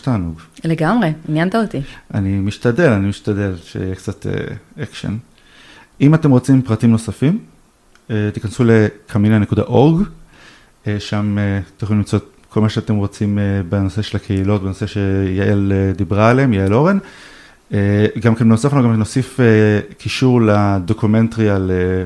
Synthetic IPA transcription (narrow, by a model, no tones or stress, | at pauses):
taːnuɡleɡamʁeinjant̪aot̪iʔa̰nimiʃtade̞lanimiʃtad̪e̞lʃḛijekt͡satḛekʃḛn | imat̪e̞mʁo̞t͡simpʁatimno̞safim | et̪ikansule̞kʰaminanekuda̰ʔo̞ʁɡ | eʃamet̪joimlimt͡sot̪̚ | ko̞lmaʃeatemʁo̞t͡simebeno̞se̞ʃelakʰeilo̞tbenose̞ʃejaʔeled̪ibʁaːleemjaelo̞ʁen | eɡamkenbenosafnoɡamkno̞sifekʰiʃuʁlad̪o̞kume̞ntʁiale